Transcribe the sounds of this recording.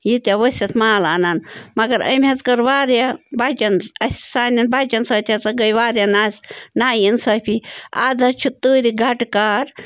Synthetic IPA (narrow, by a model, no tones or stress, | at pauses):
jit̪ʲjaʋəsʲɐt̪ʰmaːlaːnanmɐɡɐɾə̰mɐt͡skɐɾʋaːɾjabat͡ʃɐnɐsʲsaːnɐnbaːt͡ʃʲɐnsɐːt̪ʲʰɐt͡sɐɡəjʋaːɾjanaːsʲnaːjinsɐpʰiaːd͡zɐt͡ʃʰut̪uːɾiɡɐʈkaːɾ